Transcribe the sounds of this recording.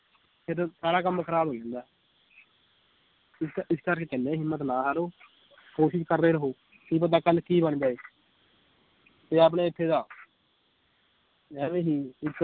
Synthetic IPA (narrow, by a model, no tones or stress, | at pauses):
pʰɪɾsaːɽaːk̬əmːkʰəɾaːbʱoːd͡ʒãːnd̪aː | ɪsɪskəɾkeːkɛnẽːɦɪmːət̪nãːɦaːɾoː | koːʃɪʃkəɾːeːɾəɦoː | kiːp̬ət̪aːkəlkiːbəɳd͡ʒaːeː | t̪eːaːp̬ɽẽːɪt̪ʰːeːd̪aː | ɛːʋẽːɦiːɪk